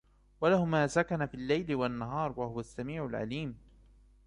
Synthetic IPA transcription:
walahʊmaːsakanafiːlːajlɪwanːaɦɑːɾˤwahʊwasːamiːʕʊlʕa̰liːm

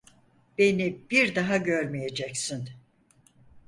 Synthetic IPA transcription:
b̥e̞nib̥iɾd̪aɦaɟøɾmije̞d͡ʒɛcsɪn

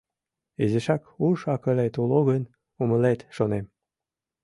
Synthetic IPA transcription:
ezeʃɑkuʃɑkəlet̪uloɣən | uməlet̪ʃonem

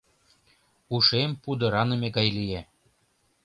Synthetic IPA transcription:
uʃempud̪ɤ̆ɾɑnɤmeɡɑjlije

